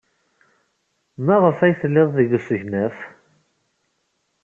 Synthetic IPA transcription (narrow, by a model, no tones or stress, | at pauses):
mæʁəfæjθəlːɪðˤðəɡəsəʝnæf